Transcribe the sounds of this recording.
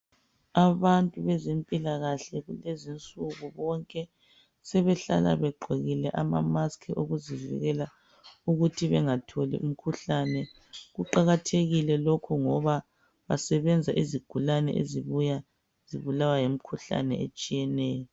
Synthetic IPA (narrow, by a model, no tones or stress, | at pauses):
aβantʼuβɛzimpʼilaɣaɬɛɣulezint͡sʼuɣuβɔŋkʼɛ | sɛβɛɬa̰la̰βɛɡ͡ǃʱeɣilɛʔama̰maskʰɛʔoɣuzivḭɣɛla | uɣutʰiβɛŋatʰolḭʔum̩kʰuɬanɛ | ɣuǃaɣatʰeɣilɛlokʰɔŋɔβa | βa̰sɛβɛnd͡zʱaʔiziɡ̥ʱulanɛ̰ʔḛziβuja | z̥iβulawajem̩kʰuɬa̰nɛ̰ḛt͡ʃʼijɛnɛːjɔ